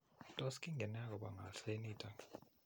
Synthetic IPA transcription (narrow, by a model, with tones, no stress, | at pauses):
tʼɔ˦ski˦ŋɛ˨na˦k̬ɔ˨ɓa˨ŋa˨ɬe˦ni˦tʼa˨